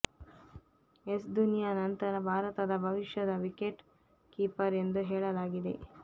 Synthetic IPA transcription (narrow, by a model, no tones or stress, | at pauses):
esd̪unijanɐnt̪ɐɾɐbʱaːɾɐt̪ɐd̪ɐbʱɐʋiʃjɐd̪ɐʋikeʈ | kiːpɐɾe̞nd̪uɦɛːɭɐlaːɡid̪e̞̰